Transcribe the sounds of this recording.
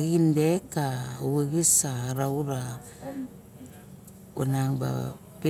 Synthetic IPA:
ɣindekauweɡisaɾawɾa | onaŋba̰ | pe

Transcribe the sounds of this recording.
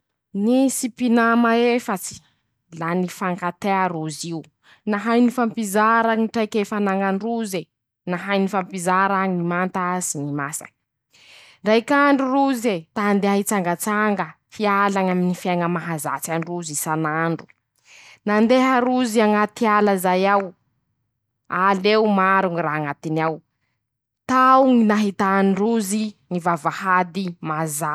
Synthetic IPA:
nisipinamaefat͡si̥ | lanifaŋkat̪eaɾuziu | naɦajnifampizaɾaɲiʈ͡ʂajkefanaŋanruze | naɦajnifampizaɾaɲinimant̪azinimasa̰n | ɳɖ͡ʐajkaɳɖ͡ʐuɾuzet̪aand̪eaɦit͡saŋɡət͡saŋɡə | fialaŋaminifaŋəmaɦaza̰t͡sanruzisanaɳɖ͡ʐu̥ | nand̪eɦaɾuziaŋat̪ialəzajaw | alewmaɾuŋiraɦaŋat̪inaw | t̪awŋinaɦit̪aniruziŋivavahad̪imaza

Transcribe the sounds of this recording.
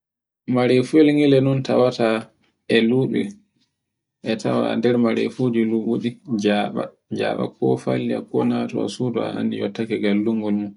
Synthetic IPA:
maɾefuɛlŋɛlɛnɔnta̰wata | ʔɛluːɓɛ̰ | ʔɛtʰawa̰dɛɾmaɾḛfod͡ʒiluɓuɗid͡ʒaɓa̰ | d͡ʒa̰ːɓa̰kɔfaliakɔnatɔa̰sudɔa̰a̰nːijɔ̰tːakɛɡalːuŋɡɔlmu

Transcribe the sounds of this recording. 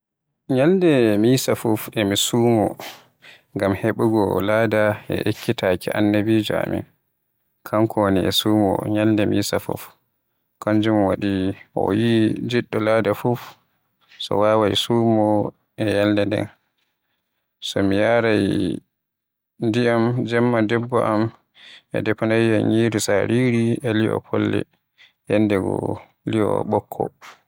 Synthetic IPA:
ɲaldɛmiːsafufɛmisuːmɔ | ŋɡamheɓuɡɔlaːdaɛ̰ʔekːitakiʔa̰nːabiːd͡ʒɔa̰mḭn | kʰaŋkʰoniɛ̰suːmɔ̰ɲaldɛmiːsafṵf | kaɲd͡ʒumwaɗiʔɔ̰jid͡ʒiɗːɔladafuf | sɔ̰waːwajsuːmɔ | ʔɛjaldɛndɛ̰n | sɔmijaɾaj | ndiamd͡ʒɛmːadɛbːɔʔam | ɛ̰dɛpanajjaɲiːɾusaɾiɾiɛliɔ̰pʰɔlːɛ̰ | jɛndɛɡɔ̰ | lijɔ̰ɓɔkʰːɔ

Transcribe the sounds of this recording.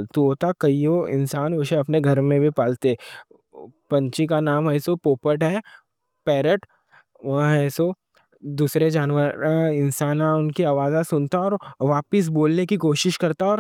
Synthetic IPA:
t̪uɦoːt̪akɐioɪ̰̃nsaːnʋoʃẽɐpneɡʱɐɾmẽbʱipaːlt̪eɛ | pɐ̃ɲt͡ʃikanaːmɛːsopoːpəʈɦɛ | pɛːɾəʈ | ʋɐɦɦɛːso | d̪uːsɾed͡ʒaːnʋəɾɪnsaːnãʊnkiaːʋaːzasʊnt̪aɔːɾʋaːpɪs̬boːlnekikoːʃɪʃkɐɾt̪aɔːɾ

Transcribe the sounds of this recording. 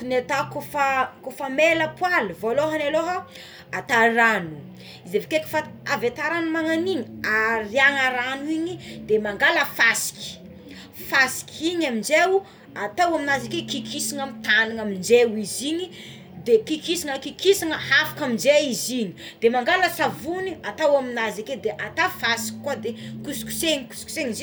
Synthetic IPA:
unet̪akofakofameləpwalivoloɦanaloɦə | at̪aɾanu | izevekeki̥faavet̪aɾanumaŋaniɲiaɾiaŋaɾanuiɲid̪emaŋɡaləfasi̥kʲi̥ | fasi̥kʲʰiɲamind͡ʒewu | at̪awaminazakekikʰisiŋamit̪aniŋamind͡ʒewiziɲi | d̪ekikisiŋəkikisaŋəafḁkamind͡ʒeiziɲi̥d̪̥emaŋɡaləsavuniat̪awaminazaked̪eʔat̪afasi̥kʲi̥kːwad̪ekusi̥ku̥seɲiku̥su̥ku̥seŋzi

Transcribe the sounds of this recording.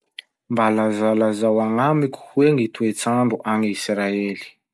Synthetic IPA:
mbalazalazawaŋamiku̥hweŋit̪uet͡saɳɖ͡ʐuʔaŋisɾaeli̥

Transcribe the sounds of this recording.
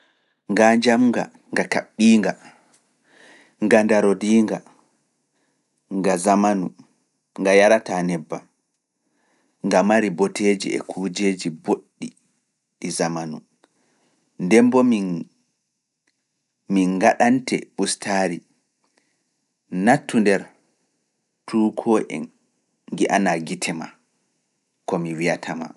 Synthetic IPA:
ŋɡaɲd͡ʒamŋɡa̰ | ŋɡaka̰ɓːiːŋɡa | ŋɡandaɾodiːŋɡa | ŋɡazamanu | ŋɡajaɾatanɛbːa | ŋɡamaɾibɔted͡ʒḭɛ̰kʰuːd͡ʒeːd͡ʒiboɗːi | ɗɛzamanu | ndɛmbɔmi | miŋɡaɗantɛ̰ɓustʰaːɾi | natːundɛɾ | tʰuːkʰɔʔɛ̰n | ɡiʔanaɡitʰɛma | kɔmiwijatʰama̰

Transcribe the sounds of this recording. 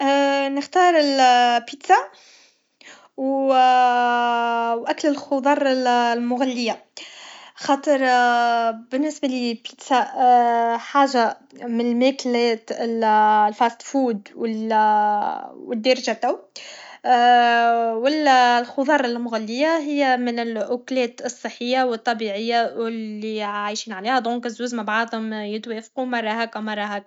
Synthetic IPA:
nɪxt̪ɑːɾˤɪlpit̪sa | w | wʔæklɪlxʊd̪ˤɑɾˤllmʊɣalːɪjːa | xɑːt̪ˤəɾˤ | bɪnːɪsbalipit̪sa | ħaːʒamɪnlmæklɛːt̪ɪllfæːst̪fuːd̪wɪl | wɪd̪ːɑɾˤɑʒat̪æw | wɪllxʊðˤɑːɾˤɪlmʊɣælːɪjːaɦɪjːæmɪnɪlʔʊklɛːt̪ɨsˤːəħːɪjːawɨt̪ˤːɑbiʕɪjːaɪlːiʕajʃiːnʕaliːhæd̪ˤõːŋkɪzːuːzmabʕɑʕd̪ˤhʊmjɪt̪weːfqumɑɾˤɑɦækamɑɾˤːɑːɦæk̚

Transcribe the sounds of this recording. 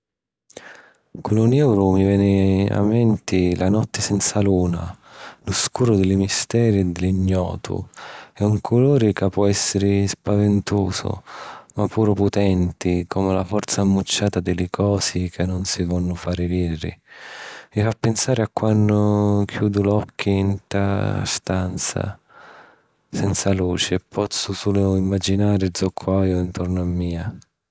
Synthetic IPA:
kʊnunɛwɾʊmivjɛːnɪa̰mːɛnt̪ɪla̰nɔt̪ːɪsɛnt̪saluːna̰lʊskuːɾʊd̪ɪlɪmist̪ɛːɾɛd̪ɪliɲːɔ̰ːt̪ʰʊ̰ɛuŋkʰʊloːɾɪkapːwɔɛsːɪɾɪspavɪnt̪oːsʊ̰mapʰːuːɾʊpʊt̪ɛnt̪ɪkʰɔːmɪlafɔrt̪saːmːut͡ʃːaːt̪ad̪ɪlɪkʰɔːsikʰɪnːʊnsivɔnːʊfaːɾɪviːrɪ̰ | mifapːɪnsaːɾɪakːwanːʊkʰjuːd̪ʊlɔkʰːint̪a̰st̪ant̪sa̰ | sɛnt̪saluːt͡ʃɪpʰːɔt̪sːʊsulʊimːad͡ʒinaːɾɪd̪zɔkʰːwaːjʊint̪ɔrnʊamːiːa

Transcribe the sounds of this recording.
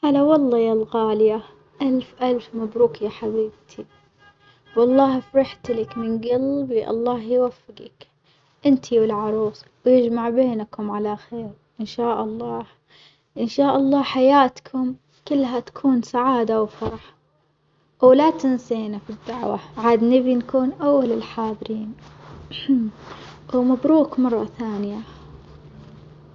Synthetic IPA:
ʔalawɑlˤːɑːjalɣaːlɪja | ʔalfʔalfmabɾuːkjaħabiːb̚t̪ʰi | wɑlˤːɑːhfɾɪħt̪lɪkmɪnɡalbiʔɑ̰lˤːɑːhjwafːɪɡɪ̰k | ʔɪnt̪ʰiwɪlʕɑɾˤuːsˤwjɪd͡ʒmaʕbeːnakʊmʕalaxeːɾ | ʔɪnʃaːʔɑlˤːɑː | ʔɪnʃaːʔɑlˤːɑːħajaːt̪kʰʊm | kʊlːɦat̪ḁkʰuːnsaʕaːd̪awfɑɾˤɑħ | wlat̪ɪnseːnafid̪ːaʕwa̰ʕaːd̪nɪbinkuːnʔawːalɪlħaːðˤɾiːn | wmabɾuːkmɑrˤːɑθaːnɪja

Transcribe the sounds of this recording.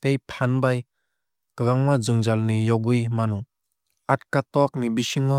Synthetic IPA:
t̪ejpʰanbaj | kɯɡaŋmazɯŋzalnijɔɡɯjmanu | at̚kat̪ɔk̚nibiʃiŋɔ

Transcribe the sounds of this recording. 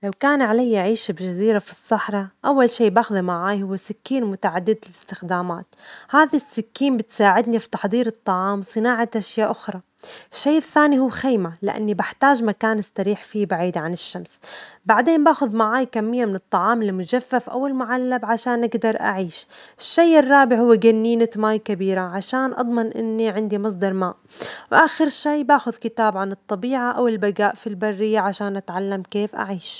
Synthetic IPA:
lawkaːnʕalajʔaʕiːʃbʒaziːɾafi̥sˤːɑħɾˤɑʔawːalʃiːbaːxðimaʕaːjhʊwːasɪkːiːnmʊt̪aʕad̪ːɪd̪ɪlɪst̪ɪxd̪aːma̰ːt̪haːðasːɪkːiːmbɪt̪saːʕɪd̪nifi̥t̪ɑħd̪ˤiːɾɨt̪ˤːɑʕɑːmsˤɨnaːʕaʔaʃjaːʔʊxɾˤɑ | ɪʃːeːʔɪθːaːnihʊwːxeːmalɪʔa̰nːibaħt̪aːʒmakaːnɪsːɑɾiːħfiːbaʕiːd̪ʕanɪʃːamsbaʕd̪eːnbaːxʊðmaʕaːjkamːɪjːamɪnɨt̪ˤːɑʕɑːmɪlmʊd͡ʒafːafʔa̰wɪlmʊʕalːabʕaʃaːnʔaɡd̪ɑɾˤʔa̰ʕiːʃʔɪʃːajɪrˤːɑːbɪʕhʊwːɪɡanːiːnɪt̪maːjkabiːɾaʕaʃaːnʔɑ̰d̪ˤmɑnʔɪ̰nːiʕɪnd̪imɑs̬ˤd̪ɑɾˤmaːʔwʔaːxɪɾʃiːbaːxʊðkɪt̪aːbʕanɨt̪ˤːɑbiːʕaʔawɪlbaɡaːʔfilbarːɪjːaʕaʃaːnʔat̪ʕalːamkeːfʔa̰ʕiːʃ

